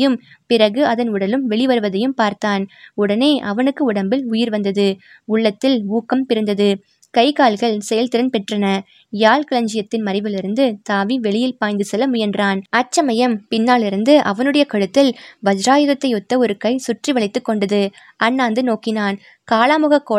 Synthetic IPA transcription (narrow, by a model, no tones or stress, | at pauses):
jɯmpɪrɐɣɯɐðɐnʊɽɐlɯmʋɛɭɪʋɐɾɯʋɐðɐjɯmpaːɾt̪aːnʊɽɐneːʔɐʋɐnɯkːɯʊɽɐmbɪlʊjɪɾʋɐnd̪ɐðɯ | ʊɭːɐt̪ːɪluːkːɐmpɪɾɯnd̪ɐðɯ | kɐɪkaːɭɣɐɭsɛjɐlt̪ɪɾɐnpɛʈrɐnɐ | jaːlkɪɭɐɲd͡ʒɪjɐt̪ːɪnmɐɾɪʋɪlɪɾɯnd̪ɯt̪aːʋiʋɛɭɪjɪlpaːjnd̪ɯsɛlːɐmʊjɐndraːnɐt͡ʃːɐmɐjɐmpɪnːaːɭɪɾɯnd̪ɯʔɐʋɐnɯɽɐjɐkɐɻɯt̪ːɪlʋɐd͡ʒɾaːjɯðɐt̪ːɐɪɔt̪ːɐɔɾɯkɐɪsʊʈriʋɐɭɪt̪ːɯkːɔɳɖɐðɯ | ɐnːaːnd̪ɯnoːkɪnaːn | kaːlaːmɯɣɐkːoː